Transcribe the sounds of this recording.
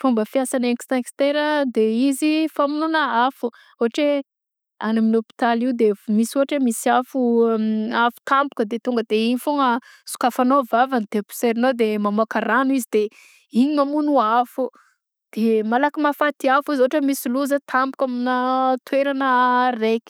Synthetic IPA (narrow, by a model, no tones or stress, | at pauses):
fumbəfiasanekst̪ãkst̪eɾəd̪eizifamununəafu | oɦaʈ͡ʂe | anaminopi̥t̪aliwd̪emisoɦaʈ͡ʂemisiafu | afu̥t̪ampu̥kəd̪et̪uŋɡəd̪eiɲifoŋə | su̥kafanovavanit̪epu̥seɾinod̪emamakaɾanuizid̪e | iɲimamunuafu | d̪̥emalakimafat̪iafizoaʈ͡ʂəmisiluzət̪ʰampukʲaminat̪weɾanərekʲi̥